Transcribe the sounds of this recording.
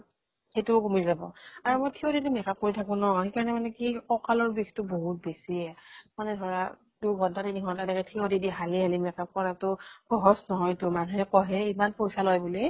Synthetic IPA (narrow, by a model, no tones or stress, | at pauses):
xetʊkomizabɔ̰aɹumojtʰioditumɛkap̚kːoɹitʰakʊ̃nɔɦxekaɹɔnɛmanɛkikɔkalɔɹbixtʊboɦut̚besiɛmanɛdʱɔɹa | duɡʱɔntatinikʰɔtɛdɛkɛtʰiodidiɦaliɦalimɛkap̚kɔnatʊxɔɦɔsnɔɦɔjtʊmanuɦɛkɔɦɛimanpojsalɔjbuli